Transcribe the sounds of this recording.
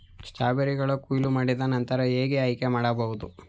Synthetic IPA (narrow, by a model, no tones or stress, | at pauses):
ʂt͡ʃaːbɐɾiɡɐɭɐkuːjlumaːɽid̪ɐnɐnt̪ɐɾɐeːɡeɐjkemaːɽɐbɐʋud̪u